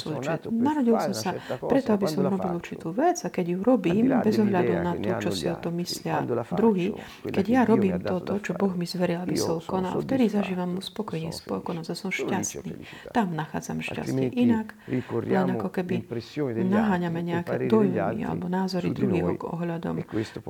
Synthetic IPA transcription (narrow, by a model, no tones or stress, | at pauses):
sɔjt͡ʃɛt̪naɾɔɟilsɔmsapɾɛt̪ɔabisɔmɾɔbilˠuɾt͡ʃit̪uːʋɛd͡zakɛɟjuɾɔbiːmbɛzɔɦʎad̪unat̪ɔt͡ʃɔsiɔt̪ɔmːislɪad̪ɾuɦiː | kɛɟjaɾɔbiːmt̪ɔt̪ɔt͡ʃɔbɔɣmizʋɛɾilabisɔlkɔna̰lft̪ɛd̪izaʒiːʋamːuspɔkɔjɲiːspɔkɔnɔzjasɔmʃcast̪nḭːt̪amnaxa̰ːd͡za̰mɛʃca̰st̪ɛ̰ʔinaklɛnakɔkɛbinaɦaːɲamɛɲɛakɛːd̪ɔjmḭa̰lɛ̰bɔnaːzɔɾid̪ɾuɦiːɦɔkɔ̰ɦʎad̪ɔ̰m